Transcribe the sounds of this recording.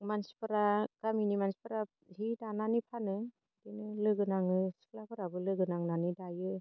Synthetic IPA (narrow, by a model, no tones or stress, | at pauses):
mansi̥pɯɾaɡ̥aminimansi̥pɯɾa | hidananipʰanɯ | dinɯlɯɡɯnaŋɯsi̥kʰlapʰɯɾabɯlɯɡɯnaŋnanidajɯ